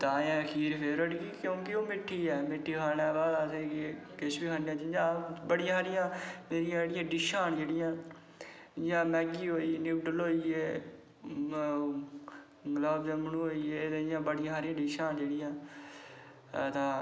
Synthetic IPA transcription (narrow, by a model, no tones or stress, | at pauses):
t̪ãːãːəkʰiːɾpʰeɾəɽɡiːkjõːkɪoːmɪʈʰːiːɛːmɪʈʰːiːkʰaːnɛːbaːlaːseːkːkɪsbiːkʰaːnjãːt͡ʃɪjãːbəɽɪjãːsaːɾɪjãːmeːɾɪjãːd͡ʒeːɽɪjãːɖiːʃaːnd͡ʒeːɽɪjãː | ɪjãːmɛːɡiːɦoːiːenɪːʋɖəloːiːeː | ɡləːbd͡ʒãːmənũːɦoːiːeːt̪ẽɪjãːbəɽɪjãːɦaːɾɪjãːɖiːʃaːnd͡ʒeːɽɪjãː | t̪ãː